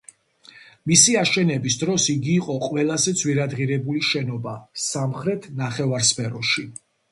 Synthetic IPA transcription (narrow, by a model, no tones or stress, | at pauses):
misiaʃɛnɛbisd̪ɾɔsiɡiːqʼɔqʼwɛlˠazɛd̪zʰwiɾad̪ʁiɾɛbuliʃɛnɔbasamχɾɛt̪ʰnaχɛvaɾspʰɛɾɔʃi